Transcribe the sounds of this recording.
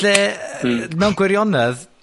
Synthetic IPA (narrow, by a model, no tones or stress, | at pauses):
ɛ | mɛwnɡwɪɾjɔnɛð